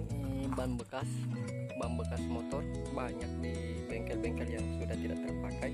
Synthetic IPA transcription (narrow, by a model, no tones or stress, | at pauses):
banbəkas | banbəkasmot̪ɔr | baɲak̚di | bɛŋkɛlbɛŋkɛljaŋsudaht̪idaʔt̪ərpakaj